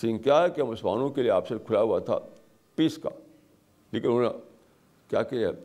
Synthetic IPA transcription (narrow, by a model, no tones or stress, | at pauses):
sɪ̃ŋkjakeɐmʊslma̰ːnõkelieaːpsekʰʊlaɦuat̪ʰa̰ | piska̰ | leːkɪnɦoːa̰ | kja̰ːkelɛ̰